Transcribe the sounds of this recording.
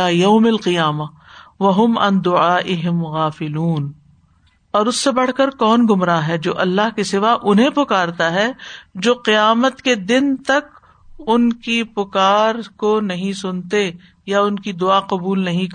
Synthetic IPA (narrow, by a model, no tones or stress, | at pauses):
aːjɐːmɐlqɪjaːma | ʋɐɦʊmɐ̰̃nd̪ʊʕaːʔɪɦɪmɣaːfɪluːn | ɔːɾʊsːebɐɽ̤kɐɾkɔːnɡʊmɾaɦɛd͡ʒoːʔɐlːaɦkisɪʋaʔʊnɦẽpʊkaːɾt̪aɦɛd͡ʒoːqijaːmət̪ked̪ɪnt̪ɐk | ʊnkipʊkaːɾkonɐɦĩsʊnt̪e | jaʊnkid̪ʊaːqɐbuːlnɐɦĩk